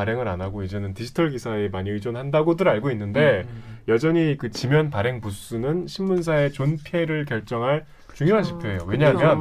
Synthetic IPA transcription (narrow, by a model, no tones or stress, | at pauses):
aɾe̞ŋɯɾanaɡoid͡ʑe̞nɯntid͡ʑʰi̥tʰʌɭɡisʰae̞maɲiɯd͡ʑonɦandaɡodɯɾaɭɡoinːɯnde̞jʌd͡ʑʌɲikɯt͡ɕimjʌnpaɾe̞ŋpus͈unɯnɕʰimːuns̬ʰae̞t͡ɕonpʰe̞ɾɯɭkjʌɭt͡ɕ͈ʌŋɦaɭ | t͡ɕuŋjoɦat͡ɕʰi̥pʰjoɦe̞joweɲaɦmjʌn